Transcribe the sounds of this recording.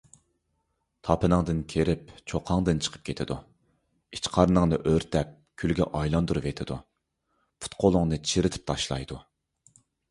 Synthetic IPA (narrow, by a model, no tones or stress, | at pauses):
t̪ʰɑpʰɨnɨŋd̪ɨnkʲʰeɾɪp̚t͡ʃʰoqʰɑŋd̪ɨnt͡ʃʰə̥qʰə̥p̚kʲʰet̪ʰɪd̪u | it͡ʃqʰɑɾnɨŋnɨʔøɾt̪ʰɛp̚ | kʲʰylɡʲɛ̰ʔɑjlˠɑnd̪uɾɨvet̪ʰɪd̪u | pʰu̥t̪qʰolˠʊŋnɨt͡ʃʰiɾɪt̪ʰɪ̥p̚t̪ʰɑʃlˠɑ̰jd̪u